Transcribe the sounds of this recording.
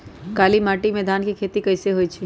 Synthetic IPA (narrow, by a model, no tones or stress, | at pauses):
kaːlimaːʈimed̪aːnkikʰeːt̪ikəɪseɦoːit͡ʃʰi